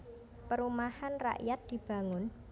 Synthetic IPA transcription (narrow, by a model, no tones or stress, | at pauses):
pəɾumahanra̰ʔjat̪̚d̪̥i̤b̥a̤ŋʊn